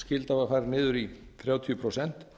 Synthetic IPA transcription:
scɪlt̪avafaːjɾnɪːðʏɾiθɾjaːwt̪ʰjʏpʰɾosɛn̥t̪

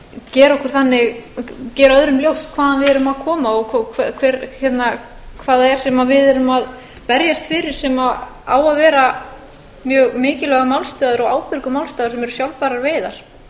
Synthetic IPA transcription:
cɛːɾɔhkʏɾ̥θanːɪɣcɛːɾœðɾʏmljowskʰv̥aːðanvɪðɛɾʏmaðkʰɔːmaɔɣkʰɔkʰakʰvɛɾçɛt̪na | kʰvaːðaɛɾ̥sɛmavɪðɛɾʏmað | pɛɾjast̪fɪːɾɪɾ̥sɛma | a̰ːwaðvɛːɾa | mjœːɣmɪːcɪlɛɣamawlst̪œːðʏɾɔɣaːwpʏɾkʏmawlst̪œːðʏɾsɛmɛɾʏsjawlpaːɾaɾveːjðaɾ̥

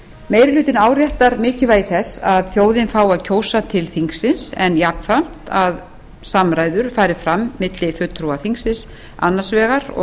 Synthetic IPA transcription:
meːjɾɪlʏːt̪ɪnaːwɾjɛht̪aɾmɪːcɪvaːjθɛsaðθjoːwðɪnfaːwaðcʰoːwsat̪ʰɪlθiŋksɪnsɛnjapn̥fam̥t̪að | samɾaːjðʏɾ̥faːjɾɪfɾamːɪt̪lɪfʏt̪ːɾuwaθiŋksɪns | a̰nːḁsvɛːɣaɾɔ̰

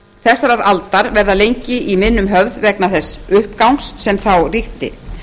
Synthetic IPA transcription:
θɛsːaɾaɾalt̪aɾvɛɾðalejɲcɪʔimɪðnːʏmɦœvðvɛknaθɛsːʏhpkawŋsːɛmθawriht̪ɪ̰

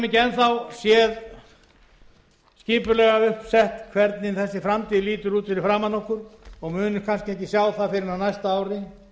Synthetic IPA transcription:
mɪcɛnθawsjɛð | sciːpʏɾlɛːɣaʏhpsɛht̪kʰvɛɾt̪nɪnθɛsːɪfɾamt̪ʰiːðɪliːt̪ʏɾuːt̪ʰɪlɪfɾaːmanɔhkʏɾɔɣmʏːnʏkʰanscɪɛhcɪsjaːwθaðfɪɾɪɾnanajst̪aaːwɾɪ

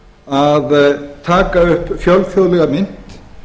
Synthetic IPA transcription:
aðt̪ʰaːkaʏhpfjɔlfjoðlɛɣamɪn̥t̪

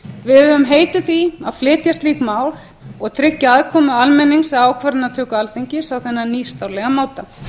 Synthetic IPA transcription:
vɪðʏʏmɦeːjt̪ɪθia̰ðflɪːt̪jast̪liːkmaːwl | ɔɣt̪ʰɾɪcːaaðkʰɔːmʏalmɛnːiŋsɛaːwkʰvaɾɪnat̪ʰœːkʏalθejɲcɪsawθɛnːaniːst̪awlɛɣamaːwt̪a

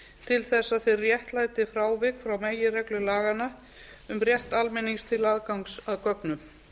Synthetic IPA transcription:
t̪ʰɪlθɛsːaðθejrjɛht̪laːjt̪ɪfɾaːwvɪkfɾawmeːjɪrɛklʏlaːɣana | ʏmrjɛht̪almɪniŋst̪ʰɪlaðkawŋksaðkœknʏm

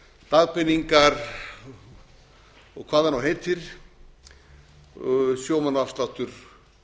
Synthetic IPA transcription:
t̪aɣpɪnːiŋkaɾ | ɔɣkʰvaːðanawɦejt̪ɪɾ̥ | sjowmanafst̪laht̪ʏɾ̥

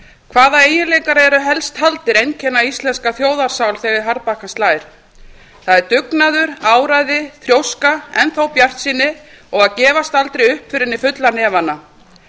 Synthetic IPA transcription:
kʰvaːðaeːjɪnlejŋkaɾɛɾʏɦɛlst̪halt̪ɪɾejncʰɛnːaist̪lɛnskaθjoːwðaɾ̥sawlθɛːɣɪɾɦaɾpakanst̪laːjɪɾ̥ | θaðɛɾt̪ʏknaðʏɾaːwɾajðɪθɾjowskaɛnθawpjar̥t̪siːnːɪ | ɔɣaðcɛːvast̪alt̪ɾejʏhpfɪɾɪnːɪfʏt̪lanɛːvana

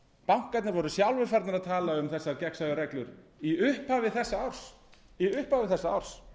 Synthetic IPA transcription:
pawŋ̥kːat̪naɾvɔɾʏsjawlvɪɾfaɾt̪naɾaðt̪ʰaːlaʏmθɛsːaɾcɛksaɣaɾɛklʏɾiʏhphavɪθɛsːaawɾ̥s | iʏhpavɪθɛsːaa̰wɾ̥s

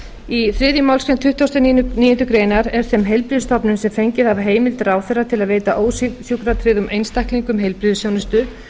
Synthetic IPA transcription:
iθɾɪːðjʏmawlskɾɛnt̪ʰʏht̪ːowst̪ɛnniːjʏnt̪ʏkɾeːjnaɾɛɾ̥θɛmɦejlpɾɪðʏst̪ɔpnʏnsɛmfejɲcɪðavɦeːjmɪlt̪ɾaːwθɛrːat̪ʰɪlaðveːjt̪aʔoːwssjukɾat̪ʰɾɪðʏmʔejnst̪ajkliŋkʏmɦejlpɾɪðʏsownɪst̪ʏ

